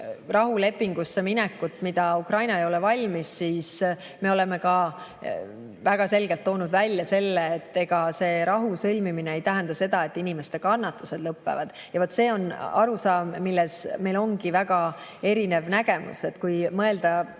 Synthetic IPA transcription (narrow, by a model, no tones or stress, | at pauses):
rɑɦule̞pːˑiŋɡ̥usːeminɛkːut̪ːmid̪̥ɑukrɑjnɑejo̞levɑlʲmisːiːs | me̞o̞le̞me̞kɑ | væɡ̥ɑse̞lɡ̥e̞lt̪ːo̞ːnud̪vælʲːjɑse̞lːeːt̪ːe̞ɡ̥ɑse̞ːɾɑɦusɤlʲmiminee̞jt̪æɦænd̪̥ɑse̞d̪̥ɑe̞t̪ːˑinime̞st̪e̞kɑnːɑt̪ːˑuse̞d̪lɤpːe̞̰vɑd̪̥ | jɑvot̪ːˑse̞ːo̞nɑɾusɑːmːilːesme̞jlo̞ŋɡ̥ivæɡ̥ɑ | e̞ɾine̞vnæɡ̥e̞mṵse̞t̪ːkujmɤe̞ld̪ɑ